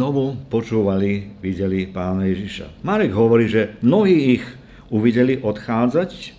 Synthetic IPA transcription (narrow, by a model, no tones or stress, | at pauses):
ɔʋupɔt͡ʃuːʋaliʋiɟɛlipaːnajɛʒiʃa̰maɾɛɡɦɔʋɔɾiːʒɛmnɔɦiːix | uʋiɟɛliʔɔt̪xaːd͡zac